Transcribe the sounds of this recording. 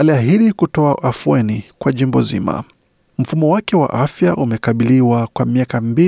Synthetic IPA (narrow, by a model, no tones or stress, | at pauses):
aliaɦiɗikutɔaʔafuɛnikwaʄimbɔzḭma̰ | m̩fumɔwakɛwa̰ʔafjaʔumɛkaɓiliwakwamiakambi